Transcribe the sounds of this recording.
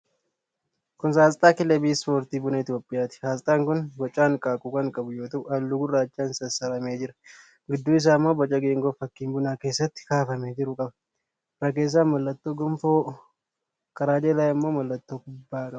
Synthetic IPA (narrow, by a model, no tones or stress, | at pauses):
kʊnsaːst̪ʼaːkɪlɛbiːspo̞ːɾt̪iːbʊnɐɪt̪jo̞ːpʼːɪjaːt̪ɪ̥saːst̪ʼaːŋkʊnbɐt͡ʃʼaːŋkʼaːkʼukɐŋkʼɐbʊjoːt̪ɐʔɐlːʊɡʊraːt͡ʃːaːnsɐsɐɾɐme̞ːd͡ʒɪɾɐ | ɡɪd̪ːuːɪs̬aːmːo̞ːbɐt͡ʃʼːɐɡeːŋɡo̞ːfɐkːiːmbʊnaːke̞ːsːɐt̪ːɪ̥kaːfɐmeːd͡ʒɪɾʊkʼɐbɐ̥ | ɾɐk̬e̞ːs̬ːaːnmɐlːɐt̪ːo̞ːɡɔmfoː | kɐɾaːd͡ʒelaːjɐmːo̞ːmɐlːɐt̪ːo̞ːɡʊbːaːkʼɐbɐ̥